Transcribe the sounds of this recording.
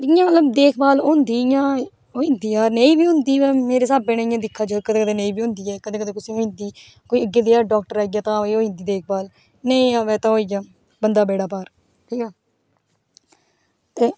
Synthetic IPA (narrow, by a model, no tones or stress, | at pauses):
ɪãːmət̪ləbd̪eːkʰbaːloːnd̪iːjãː | oːĩːnd̪iːaːɾneːĩːbiːɦʊ̃nd̪iːʋɛːmeːɾeːsaːbːenaːijãːd̪ɪkʰːaːt͡ʃːkəd̪eːkəd̪ẽːneĩːbiːõːnd̪iːɛːkəd̪ẽːkəd̪eːkʊsĩːɦoːĩːnd̪iː | koːiːəɡeːd̪iːaːɖaːk̚ʈəɾaːiɡaːt̪ãːɦoiːoːĩːnd̪iːd̪eːk̚ʰbaːl | neĩːãːʋɛːt̪ãːɦoːiːjaː | bənd̪aːbeːɽaːpaːɾ | ʈʰiːkɛː | t̪eː